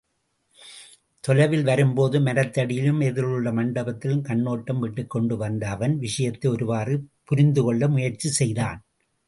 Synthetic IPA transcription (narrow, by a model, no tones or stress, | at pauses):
t̪ɔlɐʋɪlʋɐɾɯmpoːðɯmɐɾɐt̪ːɐɽɪjɪlɯmɛðɪɭɯɭːɐmɐɳɖɐbɐt̪ːɪlɯmkɐɳːoːʈːɐmʋɪʈːɯkːɔɳɖɯʋɐnd̪ɐːʋɐnʋɪʂɐjɐt̪ːɐɪɔɾɯʋaːrɯpʊɾɪnd̪ɯkɔɭːɐmʊjɐɾt͡ʃisɛjðaːn